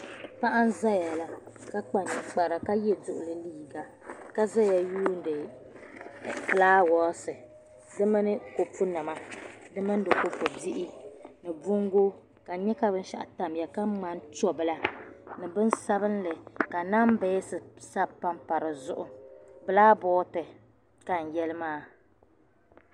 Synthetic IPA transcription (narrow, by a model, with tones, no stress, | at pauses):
pa˦ʔa˦n˦za˦ja˨la˨ | ka˦k͡pa˨ɲɪ˨k͡pa˨ɾa˨ka˦jɛ˦dʊ˦ʔʊ˨lɨ˦liː˦˨ɡa˨ | ka˦za˦ja˨juː˦n̩˦dɨ˨ | plaː˦wɔ˦sɨ˨ | dɨ˦mɨ˦nɨ˦ko˨pʊ˦na˨ma˦dɨ˦mɨ˦n˦dɨ˨ko˦po˨bi˦ʔɪ˦nɨ˨bʊ˦ŋɡo˦ | ka˨ɲɛ˦ka˦bɨ˦n˦ʃa̰˦ʔa̰˨ta˨mja˨ka˦ŋ͡ma˦nt͡ʃɔ˦bɨ˦la˦nɨ˨bɨ˦nsa˦bɨ˦n˦lɨ˨ka˨na˦m˦bɛ˦sɨ˨sa˦pa˦mpa˨ɾɨ˨zʊ˦ʔʊ˨bɨ˨laː˦bɔː˦tɨ˨ | ka˨n̩˨jɛ˦lɨ˦maː˦˨